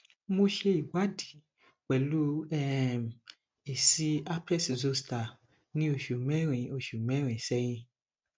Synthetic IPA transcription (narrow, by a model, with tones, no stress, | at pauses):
mo˧ʃe˧i˨wa˨˦di˨˦ | k͡pɛ˨lu˦ɛ˦˨m˨ | i˨si˦a˦pɛ˦˨szo˧sta˨ | nĩ˦o˧˨ʃu˨mɛ̃˦ɾĩ˨o˨ʃu˨mɛ̃˨˦ɾ̃ĩ˨sɛ˧˦j̃ĩ˧